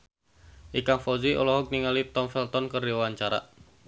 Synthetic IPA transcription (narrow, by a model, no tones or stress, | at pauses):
ʔikaŋfɔziʔɔ̰lɔɦɔk̚niŋalit̪ɔmfɛlt̪ɔnkərdiwaɲt͡ʃaɾa̰